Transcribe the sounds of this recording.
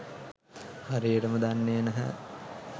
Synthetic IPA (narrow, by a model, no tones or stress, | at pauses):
haɾiːəʈəməd̪anːeːnɐɦæ̰